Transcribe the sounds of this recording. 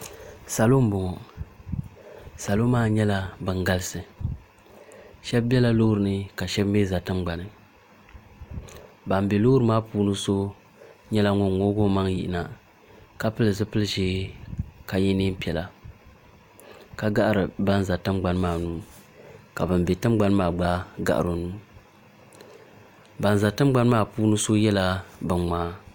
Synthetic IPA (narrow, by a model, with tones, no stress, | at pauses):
sa˨lo˦m˦bɔ˨ŋɔ˨ | sa˨lo˦maː˦˨ɲɛ˦la˦bɨ˨ŋɡa˦lɨ˦sɨ˨ | ʃɛ˦bbɛ˦la˦lo˦hɾɨ˨nɨ˦ka˨ʃɛ˦bm˦bɛ˦za˨tɨ˦mɡ͡ba˨nɨ˨ | ba˨mbe˨lo˦ɾɨ˦maː˦puː˦nɨ˦so˦ | ɲɛ˦la˦ŋo˦ŋŋo˦ɡo˦ma˦ŋji˨ʔɪ˨˦na˨ | ka˦pɨ˦lɨ˨zɨ˦pɨ˦lɨ˦ʒɪ˦ | ka˨jɛ˦niː˦m˦pi˨ɛ˨la˨ | ka˦ɡa˦ʔa˦˨ɾɨ˨ba˦n˦za˨tɨ˦mɡ͡ba˨n˦maː˦˨nuː˦ | ka˨bɨ˨mbɛ˨tɨ˦mɡ͡ba˦nɨ˦maː˨ɡ͡ba˦ɡa̰˨ʔa̰˨ɾo˨nuː˦ | ba˨n˨za˨tɨ˦m˦ɡ͡ba˦nɨ˦maː˦˨puː˦nɨ˦so˦jɛ˦la˦bɨ˨nmaː˦